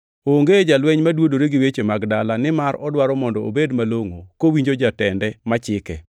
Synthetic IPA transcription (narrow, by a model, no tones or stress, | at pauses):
oŋɡed͡ʒalwɛɲmadwodoɾeɡɪwet͡ʃemaɡdalanɪmaɾɔdwaɾɔmɔndɔo̰bedmaloŋokowiɲd͡ʒod͡ʒatɛndɛmat͡ʃɪkɛ